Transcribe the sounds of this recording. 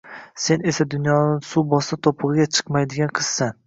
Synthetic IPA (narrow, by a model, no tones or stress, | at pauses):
se̞ne̞sad̪ʊnjɒnɪsubɒsat̪ʰopʰɨʁɨɡʲat͡ʃʰɨ̥qmajd̪ɪɡʲanqʰɨz̥san